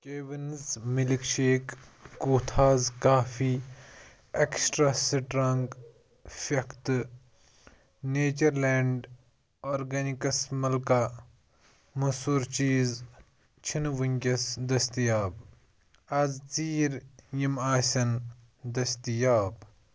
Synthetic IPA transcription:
kʲeːʋinzmilikʃeːkːuːt̪ʰaːzkaːfiː | eksʈɾaːsiʈɾɐŋɡ | fɐkʰt̪ | neːt͡ʃɐɾleːɳɖ | oːɾɡɐnikɐsmɐlka | mɐsuːɾt͡ʃiːz | t͡ʃʰinʋuŋʲkʲɐsd̪ɐst̪ijaːb | ɐzt͡siːɾjimaːsʲɐn | d̪ɐst̪ijaːb

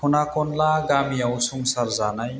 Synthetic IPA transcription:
pʰunakʰɔnlaɡamiawsuŋsaɾzanaj

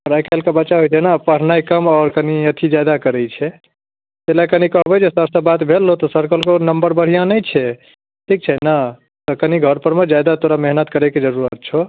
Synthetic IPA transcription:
ɔɾajkʰalkebətːʃaɦojt͡ʃʰɛnapəɾ̤najkəmɔːɾkəniət̪ʰid͡ʒad̪akəɾɛt͡ʃʰɛ | t̪elakənikəɦbɛd͡ʒesəst̪əbat̪bʱelːot̪ɔsəɾkəlkonəmbəɾbəɽ̤ijãnəjt͡ʃʰɛ | ʈʰik̚t͡ʃʰɛna | t̪ɔkəniɡʱəɾpəɾmed͡ʒad̪at̪oɾameɦnət̪kəɾɛked͡ʒəɾuɾət̪̚t͡ʃʰo

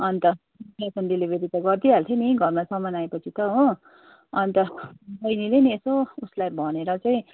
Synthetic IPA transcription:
ʌnt̪ʌ | asʌnɖilibʱeɾit̪ʌɡʌrd̪iɦalt̪ʰjeniɡʱʌrmasʌmʌnaepʌt͡sʰit̪ʌɦõ | ʌnit̪ʌbʌjnileniesouslabʱʌneɾʌt͡saĩ

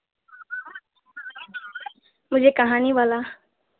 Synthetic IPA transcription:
mʊd͡ʒʱekɐɦaːniʋaːlaː

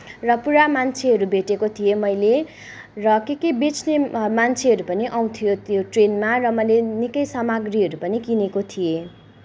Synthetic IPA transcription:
rʌpuɾamant͡sʰeɦʌɾubʱeʈekot̪ʰijemʌjle | rʌkekibet͡snemant͡sʰeʌɾupʌniʔaw̃t̪ʰijot̪joʈrenmarʌmʌlenikʌjsamaɡriɦʌɾupʌnikinekot̪ʰije

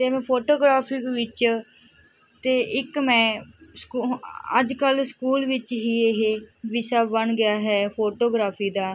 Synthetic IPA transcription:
t̪eːmɛ̃ːpʰoːʈoːɡɾaːpʰiːkʋɪt͡ʃ | t̪eːʔɪkmɛ̃ːskːə̰d͡ʒkəlskuːlʋɪt͡ʃɦiːeɦeːʋɪʃaːbəɳɡɪjaːɦɛːpʰoːʈoːɡɾaːpʰiːd̪aː

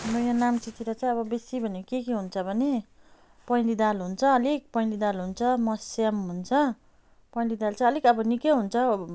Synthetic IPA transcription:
nojanamt͡sit̪iɾʌt͡saj̃ʌβʌbesibʱʌnekekeɦunt͡sʰʌbʱʌne | pʌjlid̪alɦunt͡sʰʌːlik̚pʌjlid̪alɦunt͡sʰʌmʌsamɦunt͡sʰʌ | pʌj̃lid̪alt͡sãʌlikʌbʌnikʌɦunt͡sʰʌ

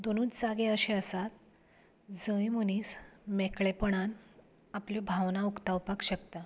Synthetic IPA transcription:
d̪onuːt͡sd͡zaɡeəɕeəsat̪̚ | d͡zəjməniːsmekɭepəɳ̃an | apljɔbʱaʋnaukt̪awpakɕəkt̪a

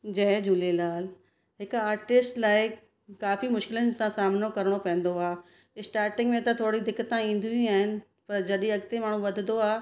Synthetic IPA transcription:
d͡ʑɐd͡ʑuːlelaːl | ɦɪkaːɾʈɪsʈlaːɪ | kaːfimʊʃkɪlənɪ̆sãsaːmnokɐɾəɽ̃opɐ̃ɦɪ̃n̆d̪oaː | ɪsʈaːɾʈɪ̃ŋɡmẽt̪ɐt̪ʰoːɽid̪ɪkːət̪ãĩːn̆d̪ĩĩaːɦɪnɪ̆ | pɐɾd͡ʑɐɗĩɐɡt̪emaːɳ̤ũʋɐd̪ʱɪd̪oaː

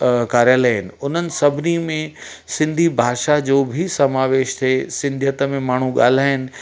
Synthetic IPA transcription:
kaːɾjaləːɪnɪ̆ʊn̤ənɪ̆sɐbʱɪnimẽ | sɪ̃nd̪ʱibʱaːʃad͡ʑoːbʱɪsɐmaːʋeːʃt̪ʰesɪ̃nd̪ʱjət̪əmẽmaːɳ̤ũɠa̰ːl̤aːɪnɪ̆

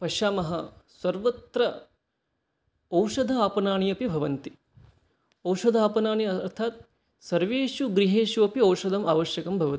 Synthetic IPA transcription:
pɐʃaːmɐɦɐsɐɾʋɐt̪ɾɐ | ɐwʂɐd̪ʱɐaːpɐnaːɳijɐpibʱɐʋɐnt̪i | ɐwʂɐd̪ʱaːpɐnaːɳiɐɾt̪ʰaːt̪̚ | sɐɾʋeːʃuɡɾiɦeːʃuɐpiɐwʂɐd̪ɐmaːʋɐʃjɐkɐmbʱɐʋɐt̪i

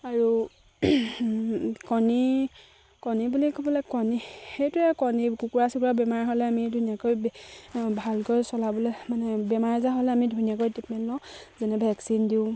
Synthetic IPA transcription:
aɹu | kɔni | kɔnibulikɔbɔlɛkɔnixejtʊɛkɔnikukuɹasukuɹabɛmaɹɦɔlɛamidʱunijakoj | bʱalkojsɔlabɔlɛmanɛbɛmaɹzaɦɔlɛamidʱunijak̬ojtip̚mɛlːɔzɛnɛbʱɛksindiʊ̃

